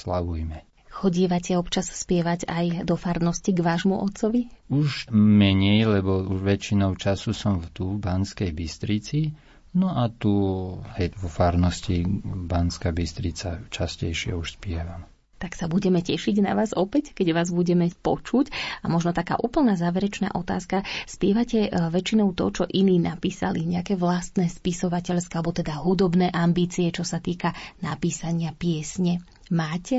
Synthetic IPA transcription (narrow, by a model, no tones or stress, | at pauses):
slaʋujmɛ | xɔɟɛʋacɛɛɔpt͡ʃasspɪɛʋaɟajd̪ɔfaɾnɔsciɡʋaːʒmuʔɔt̪t͡sɔʋiuʒmɛɲɛjlɛbɔuʒʋɛt͡ʃinɔʊt͡ʃasusɔmft̪ubanskɛjbist̪ɾit͡si | nɔat̪uhɛjʋɔfaɾnɔscibanskaːbist̪ɾit͡sat͡ʃascɛ̰jʃɪɛ̰uʃspɪɛʋam | t̪aksabuɟɛmɛcɛʃiɟna̰ʋaːzɔpɛckɛɟʋaːzbuɟɛmɛpɔt͡ʃucamɔʒnɔt̪aka̰ːʔuːpl̩naːzaːʋɛɾɛt͡ʃna̰ːʔɔt̪a̰ːskaspɪɛʋacɛʋɛt͡ʃinɔʊt̪ɔ̰t͡ʃɔʔiniːnapiːsa̰liɲɛakɛːʋlast̪nɛspisɔʋacɛʎskalɛbɔt̪ɛd̪aɦud̪ɔbnɛːʔambiːt͡siɛt͡ʃɔsat̪iːkanapiːsaɲɪapɪɛsɲɛ | maːcɛ